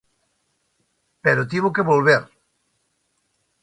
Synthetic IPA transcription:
peɾot̪̬iβʊkeβolβeɾ

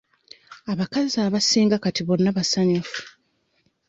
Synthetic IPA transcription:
aβakazaːβasiːŋɡakatiβo̞nːaβasaɲufu̥

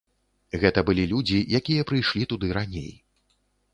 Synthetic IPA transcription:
ɣɛt̪ɐbɨlʲilʲud͡zʲijakʲijɐpɾɨjʂlʲit̪ud̪ɨɾanʲḛj

